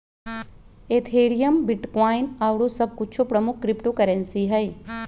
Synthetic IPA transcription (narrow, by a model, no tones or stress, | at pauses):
eːt̪ʰeːɽijəmbɪʈkaːɪnaːwɽosɐb̚kʊt͡ʃʰopɾɐmʊk̚ʰkːɾɪpʈokɐɾə̃nsiɦɐj